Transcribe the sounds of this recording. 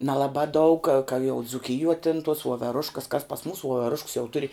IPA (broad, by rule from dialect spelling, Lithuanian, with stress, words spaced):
nʲɛlˠɐˈbɑː dɐʊk kɐ jɛʊ d͡zʊˈkʲɪjuɔ tʲɪn tuɔs ʋuɔʋʲɛˈrʊʃkɐs kɐs pɐs ˈmuːs ʋuɔʋʲɛˈrʊʃks jɛʊ ˈtʊrʲɪ